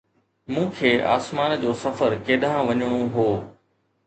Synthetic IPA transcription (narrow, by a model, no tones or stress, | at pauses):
mũːkʰeːʔa̰ːsmaːnd͡ʑoːsɐfəɾkeːɗãʋɐɲəɽ̃oɦoː